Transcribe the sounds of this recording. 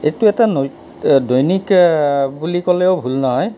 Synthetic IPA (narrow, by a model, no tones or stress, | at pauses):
etuɛtano | dojnikbulikɔleʊbʱulnɔɦɔj